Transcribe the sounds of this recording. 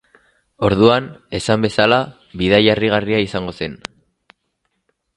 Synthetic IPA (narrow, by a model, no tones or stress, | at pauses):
o̞ɾðuane̞sambe̞sala | βiðajariɣ̞ariaisaŋɡo̞se̞n